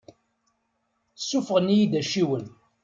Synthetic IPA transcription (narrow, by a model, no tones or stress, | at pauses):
sːufəʁənjid̪æʃiwən